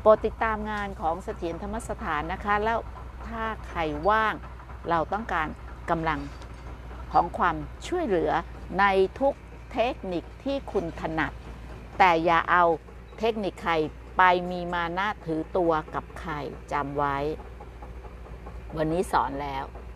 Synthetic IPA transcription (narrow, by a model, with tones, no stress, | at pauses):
pɔː˨˩t̪ːi˨˩t̪ːaː˧mŋaː˧nkʰɔː˩˦ŋsa˧t̪ʰi˩˦ənt̪ʰa˧mːa˦˥sa˧t̪ʰaː˩˦nːa˦˥kʰa˦˥lɛː˦˥w | t̪ʰaː˥˩kʰa˧jwaː˥˩ŋ | ɾa˧wt̪ɔ˥˩ŋkaː˧nka˧mla˧ŋ | kʰɔː˩˦ŋkʰwaː˧mt͡ɕʰu˥˩əjlɯ˩˦ɐ | na˧jt̪ʰu˦˥k̚ | t̪ʰe˦˥k̚ni˨˩k̚t̪ʰiː˥˩kʰu˧nt̪ʰa˧na˨˩t̪̚ː | ɛː˨˩ja̰ː˨˩ʔa˧w | t̪ʰe˦˥k̚ni˨˩kʰːa˧j | pa˧jmiː˧maː˧na˥˩t̪ʰɯː˩˦t̪u˧ɐka˨˩p̚kʰa˧jt͡ɕa˧mwa˦˥j | wa˧nːiː˦˥sɔ̰ː˩˦nlɛː˦˥w